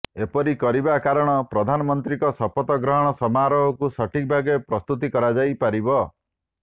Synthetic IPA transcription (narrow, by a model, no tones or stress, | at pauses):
epɔɾikɔɾibakaɾɔɽ̃ɔpɾɔd̪ʱanɔmɔnt̪ɾikɔsɔpɔt̪ɔɡɾɔɦɔɽ̃ɔsɔmaɾɔɦɔkusɔʈʰik̚bʱaɡepɾɔst̪ut̪̬ikɔɾad͡ʒajpaɾibɔ